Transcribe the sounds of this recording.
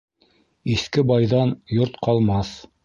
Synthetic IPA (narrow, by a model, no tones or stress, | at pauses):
iθkɘbɑjðɑnjoɾt̪qɑlˠmɑθ